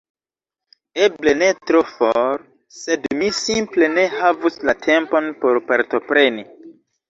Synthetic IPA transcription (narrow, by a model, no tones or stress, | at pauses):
eble̞ne̞tɾofoɾ | se̞dmisimple̞ne̞havuslatʰe̞mpo̞npo̞ɾpaɾto̞pɾe̞ni